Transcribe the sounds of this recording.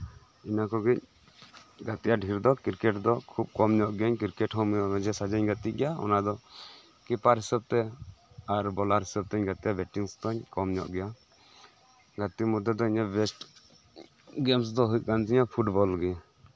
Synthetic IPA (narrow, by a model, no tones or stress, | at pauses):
inakɔɡic̚ | ɡat̪ijaɖʱiɾd̪ɔkiɾkɛʈd̪ɔkʰub̚kɔmɲɔʔɡɛaɲkiɾkɛʈɦɔmjɔʔbɛd͡ʒɛsad͡ʒaɲɡat̪iɡɛjaɔ̰nad̪ɔ | kɛpaɾɦisab̚t̪ɛ | aɾbɔlaɾɦisab̚t̪ɛɲɡat̪ijabɛʈiŋsd̪ɔɲkɔmɲɔ̰ʔɡɛja | ɡat̪imɔd̪ːɛd̪ɔiɲabɛsʈ | ɡɛms̬d̪ɔɦujt̪̚ˀkand͡ʒiɲapʰuʈbɔlɡɛa